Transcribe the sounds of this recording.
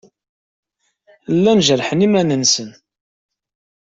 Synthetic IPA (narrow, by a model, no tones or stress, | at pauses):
lːænʒəɾħənimænənsən